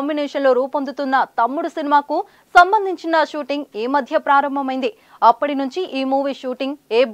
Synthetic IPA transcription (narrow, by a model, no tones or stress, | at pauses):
mbinɛːʂɐnlo̞ːɾuːpond̪ut̪unːɐt̪ɐmːuɽusinimaːku | sɐmbɐnd̪ʱiɲt͡ʃinɐʃuːʈiŋɡeːmɐd̪ʱjɐpɾaːɾɐmbʱɐmɐjnd̪i | ɐpːɐʈinuɲt͡ʃiʔiːmuːʋiːʂuːʈiŋɡeː